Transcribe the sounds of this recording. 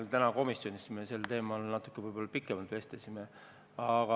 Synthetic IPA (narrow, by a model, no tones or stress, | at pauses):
lt̪ænɑko̞misjo̞nist̪meselt̪e̞ːmɑlnɑt̪ːˑu̥kːˑevɯjb̥o̞lːɑpikːˑemɑlt̪ʋe̞st̪esime | ɑɡ̥ɑ